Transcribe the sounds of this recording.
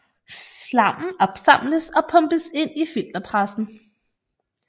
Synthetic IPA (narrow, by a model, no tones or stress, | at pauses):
slɑ̈m̰n̩ɒ̽b̥sɑ̈m̰ləsɒ̽pʰɔ̽mb̥əse̝n̰ifil̰d̥ɐpʰʁasn̩